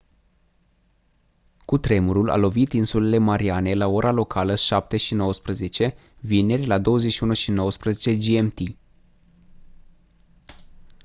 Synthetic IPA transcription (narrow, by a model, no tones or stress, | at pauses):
kut̪ɾe̞muɾula̰lo̞vit̪insule̞le̞maɾiane̞lao̞ɾalo̞kʰaləʃap̚t̪e̞ʃino̞wəspɾəze̞t͡ʃe̞ | vine̞rʲlad̪o̞wəzeʃiunuʃino̞wəspɾəzet͡ʃe̞d͡ʒiemt̪i